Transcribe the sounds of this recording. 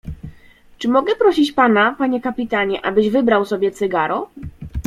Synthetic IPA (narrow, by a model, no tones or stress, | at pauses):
t͡ʂɘmɔɡɛpɾɔɕit͡ɕpanapaɲɛkapʲit̪aɲɛʔa̰bɘʑvɘbɾawsɔbʲjɛt̪sɘɡaɾɔ